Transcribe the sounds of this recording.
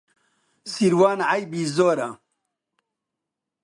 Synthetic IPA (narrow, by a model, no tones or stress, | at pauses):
siɾwaːnʕajbiːzoːɾa